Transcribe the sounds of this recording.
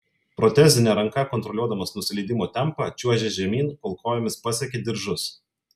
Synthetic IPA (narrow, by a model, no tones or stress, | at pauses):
pɾɔt̪ʲæːzʲɪnʲɛɾɐŋkɐkɔnt̪ɾɔlʲuɔd̪ɐmɐsnʊsʲɪlʲɛːd̪ʲɪmoːt̪ʲɛmˑpɑt͡ʃʲuɔʒʲɛʒʲɛmʲiːnkolˠkʰoːjomʲɪspɐsʲɛkʲed̪ʲɪɾʒʊs